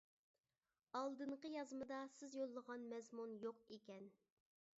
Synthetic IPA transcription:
ɑlˠd̪ɨɴqəjɑzmɨd̪ɑsɪzjolˠːəʁɑnmɛzmunjoqekʲɛn

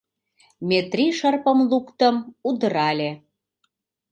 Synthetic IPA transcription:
mʲet̪riʃərpə̆mlukt̪əmud̪əɾɑlʲe

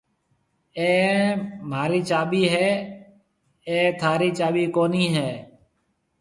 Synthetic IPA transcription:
ẽːmaːɾiːt͡ʃaːɓiːɦɛː | ẽːt̪ʰaːɾiːt͡ʃaːɓiːkoːniːɦeː

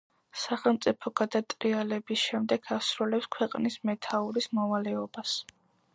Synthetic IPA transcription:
saχɛlˠmt̪sʼipʰɔɡ̥ad̪at̪ʼɾialɛbisʃɛmd̪ɛɡ̥ʰasɾulɛpskʰwɛqʼnismɛt̪ʰauɾismɔvalɛɔbas

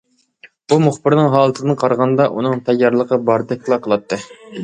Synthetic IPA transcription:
bumuχbɪɾnɨŋɦɑːlˠɨt̪ʰɨd̪ɨnqʰɑɾʁɑnd̪ɑʔunɨŋt̪ʰɛjːɑɾlˠəqəbɑɾd̪ɛk̚ʲlˠɑqʰəlˠɑt̪ʰːɨ

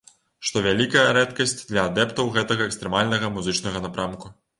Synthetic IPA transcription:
ʂt̪ɔvʲalʲikɐjɐɾɛt̪kɐsʲt͡sʲd̪lʲɐad̪ɛpt̪ɐwɣɛt̪ɐɣɐɛkst̪ɾɛmalʲnɐɣɐmuzɨt͡ʂnɐɣɐnapɾamku

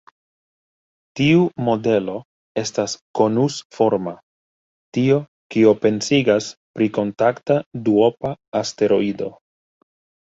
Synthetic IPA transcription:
tiumo̞de̞lo̞ | e̞stasko̞nusfo̞ɾma | tio̞ | kio̞pe̞nsiɡaspɾiko̞ntaktaduo̞paːste̞ɾo̞ido̞

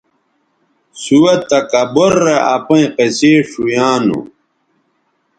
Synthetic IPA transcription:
suwɐt̪ːɐkɐboɾːeɐpɐ̃ĩqeseːʂujaːnṵ

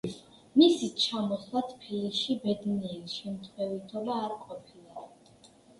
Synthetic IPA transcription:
misit͡ʃʰamɔslˠat̪ʰpʰiliʃibɛd̪niɛɾiʃɛmt̪ʰwɛvit̪ʰɔlaːɾqʼɔpʰilˠa

